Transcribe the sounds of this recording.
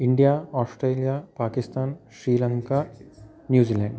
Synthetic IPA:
iɳɖijaoːsʈreːlijɐpaːkist̪aːnɕɾiːlɐŋkɐ | njuːd͡ʑiːlaːɳɖ

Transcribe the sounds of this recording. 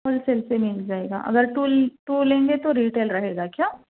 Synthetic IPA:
əlselsemɪld͡ʒaːeːɡa̰ːʔɐ̰ɡəɾʈuːlʈuːlẽːŋɡet̪oɾiːʈeːlɾɐɦeːɡakjaː

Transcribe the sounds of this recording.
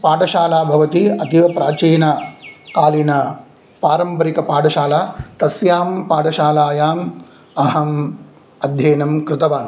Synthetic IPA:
paːʈɐʃaːlaːbʱɐʋɐt̪iɐt̪iʋɐpɾaːt͡ʃeːnɐkaːlinɐ | paːɾɐmpɐɾikɐpaːɖɐʃaːlaːt̪ɐsjaːmpaːʈɐʃaːlaːjaːm | ɐɦɐm | ɐd̪ʱjeːnɐmkɾɪt̪ɐʋaːn

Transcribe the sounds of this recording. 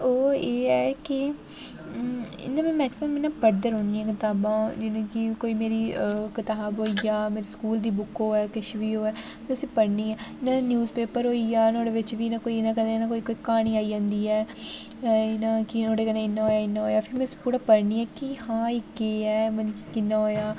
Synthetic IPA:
oːeːɛːkɪ | ɪ̰nãːmɛ̃ːmɛːksɪməmɪnãːpəɾd̪əɾɦoɳːiːɛ̃ːkɪt̪aːbãːd͡ʒɪnẽːkɪkoːiːmeːɾiːkɪt̪aːbɦoːiaːmeːɾeːskuːld̪iːbʊkːoːɛːkɪʃʋiːoːɛː | mɛ̃ːʊsĩːpəɾniːɛːɪnãːnjuːzpeːpəɾɦoːiːjaːnoːɽeːʋɪt͡ʃʋiːnãːkoːinãːkə̃nd̪enãːkoːiːkoːiːkaːɽ̃iːaːiːd͡ʒãːnd̪iːɛː | ɪnãːkɪoːɽeːkənãɪnːãːɦoːjaːɪnːaːɦoːjaːpʰɪɾmɛ̃ʊsĩ̥ːpuːɾaːpəɾniːɛːkɪhãːikeːɛːmənĩkikɪnːãːɦoːjaː

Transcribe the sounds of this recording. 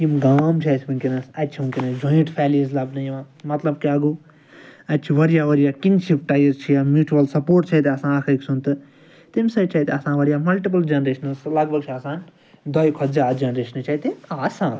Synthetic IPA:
jimɡaːmt͡ʃʰasʰibunkʲinɐsɐt̪t͡ʃʰiunʲkʲinɐsd͡ʒʱõjiʈpʰɛːlizlɐbnɐjiʋãː | mɐt̪lɐb̚kiɐɡuː | ɐt̪̚t͡ʃʰiʋɐɾijaːʋɐɾijakinʃipʈajɐzt͡ʃʰijamjuːt͡ʃuwɐlsɐpoːɾʈt͡ʃʰait̪eɐsãːɐkʰɐksunt̪ɨ | t̪imsɐt͡ʃʰɐit̪eɐsãːʋɐɾijaːmɐlʈip̬ɐld͡ʒɐnɾeːʃɐnslɐɡbʱɐɡt͡ʃʰiɐsãːn | d̪ɐjkʰɔd͡ʒaːd͡ʒɐnɾeːʃɐnt͡ʃaɦit̪imaːsãː

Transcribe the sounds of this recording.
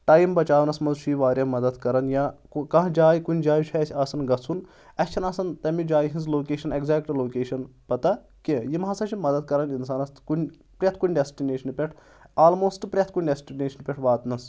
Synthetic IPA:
ʈaːjmbɐt͡ʃaːʋnɐsmɐnzʃʰiːʋaːɾjɐmɐd̪ɐd̪kɐɾɐnjaː | kɐ̃ɦd͡ʒaːjikunʲd͡ʒaːjit͡ʃʰaːsʲɐsɐnɡɐt͡sʰun | ɐt͡ʃʰɐnɐsɐnt̪ɐmid͡ʒaːjɦĩnzloːkeːʃɐneɡzɛːk̚ʈloːkeːʃɐnpɐt̪ɐ | kejimɦãsɐt͡ʃʰimɐd̪ɐd̪̚kɐɾɐninsaːnɐst̪kunʲ | pɾʲjɐt̪ʰkunʲɖesʈineːʃɐnpʲeʈʰ | aːlmoːsʈpɾʲjɐt̪ʰkunʲɖesʈineːʃɐnpʲeʈʰʋaːt̪nɐs

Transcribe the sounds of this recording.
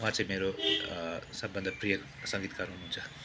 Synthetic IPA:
ʋãt͡sãj̃meːɾo | sʌbbənd̪ʱəpɾijə | sʌ̃ŋɡit̪kaɾɦunuɦunt͡sʰʌ̥

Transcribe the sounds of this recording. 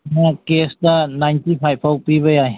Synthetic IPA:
nakesdanajntipʰajpʰawpibʌjaj

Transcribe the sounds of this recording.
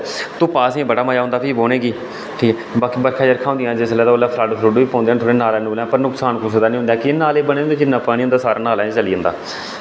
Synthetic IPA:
t̪ũːpaːsẽːbəɽaːməjaːʊ̃nd̪aːpʰiːboːneːɡiː | ʈʰiːkɛ | baːkiːbəɾkʰaːd͡ʒəɾkʰãːõnd̪ijãːd͡ʒɪslɛːd̪aoːlaːpʰlaːɖsɾʊɖʋiːpɔ̃ːnd̪eːnt̪ʰoːɽeːnaːlɛːnbːlãːpəɾnʊksaːnkʊsd̪aːnĩːʊ̃nd̪jaːkːnaːleːbənẽːnd̪eːnːãːpaːɽĩːʊnd̪aːsaːɾaːnaːlãːt͡ʃəliːə̃nd̪a̰ː

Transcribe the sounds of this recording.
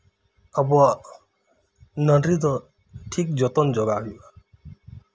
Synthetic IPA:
abɔa | nʌɖɾit̪ɔ | ʈʰik̚d͡ʒɔt̪ɔnd͡ʒɔɡaɦiba

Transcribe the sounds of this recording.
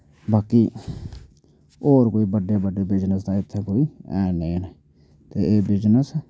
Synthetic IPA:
baːkiː | oːɾkoːiːbəɖeːbəɖeːbɪd͡ʒnəsd̪aːɪt̪ʰːẽːkoːiːɛːnẽːneː | t̪eːeːbɪd͡ʒnəs

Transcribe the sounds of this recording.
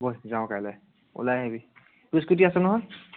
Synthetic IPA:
bojzaʊ̃kajlaj | ṵlajɦebi | duskit̬iasɛnɔɦɔj

